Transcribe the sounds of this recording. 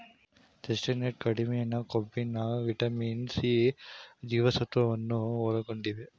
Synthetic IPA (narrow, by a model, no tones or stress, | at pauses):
t̪esʈɐneʈ̚kɐɽimejɐnɐkɔbːinaʋiʈɐmiːnsi | d͡ʒiːʋɐsɐt̪ːʋɐʋɐnːuɔlɐkːoɳɖiʋe